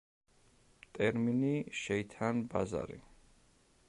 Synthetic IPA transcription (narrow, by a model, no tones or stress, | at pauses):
t̪ʼɛɾminiʃɛit̪ʰanbaza̰ɾḭ